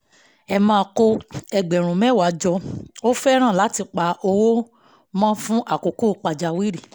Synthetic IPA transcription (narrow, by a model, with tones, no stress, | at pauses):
ɛ˧mãː˦˧˦ko˧ɛ˧ɡ͡bɛ˨ɾ̃ũ˨mɛ̃˨˦˨wa˨˦d͡ʒɔ˧o˦fɛ˦ɾ̃ã˦˨la˨˦ti˧˨k͡pa˧˦o˧wo˦ | mã˦fũ˦ʔa˦˨ko˨ko˦˨˦k͡pa˨d͡ʒa˨wi˦ɾi˨